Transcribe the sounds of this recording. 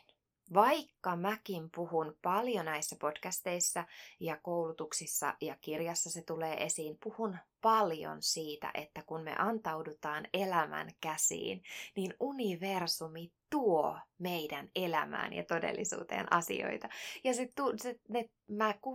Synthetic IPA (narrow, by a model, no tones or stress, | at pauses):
ʋɑjkːɑmækimpuhunpɑljonæisːæpo̞dkæst̪e̞isːæjɑkowlut̪uksisːɑ̰jɑkirjɑsːɑse̞t̪uleːʔe̞siːnpuhunpɑljo̰nsiːt̪æ̰ʔe̞t̪ːækunmḛʔɑnt̪ɑwdut̪ɑːne̞læmæ̰nkæsḭːnniːnʔuniʋersumit̪uomeidæne̞læ̰mæ̰ːnjɑ̰t̪o̞dḛlːisṵːt̪ḛːnʔɑ̰sḭo̰it̪ɑjɑset̪usene | mæku